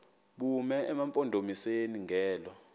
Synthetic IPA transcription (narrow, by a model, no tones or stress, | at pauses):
ɓumɛɛmampʼɔndʱomiseniŋɡʱɛːlɔ